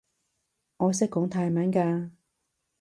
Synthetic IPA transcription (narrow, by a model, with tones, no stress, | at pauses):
ŋɔː˨˧s̬ɪ˥kːɔː˨˥ŋt̪ʰaː˧jmaː˨˥nkaː˧